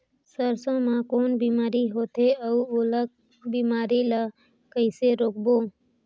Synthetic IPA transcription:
səɾsõmãkoːnbiːmaːɾiɦoːt̪eəuoːlək̚ | biːmaːɾila | kəɪseɾoːk̚boː

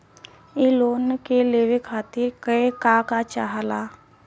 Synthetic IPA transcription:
ɪloːnkeleːʋekʰaːt̪ɪɾkəekakat͡ʃaɦala

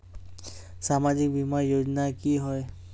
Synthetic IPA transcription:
samazik̚bimaɹjod͡ʒɔnakiɦɔj

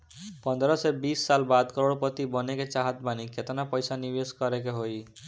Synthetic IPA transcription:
pɔnd̪ʱɾosebisːalbad̪kɔɾoɽpot̪ibɔneket͡ɕaɦat̪̚banikʰet̪onapɔjsanibeskɔɾekeɦoj

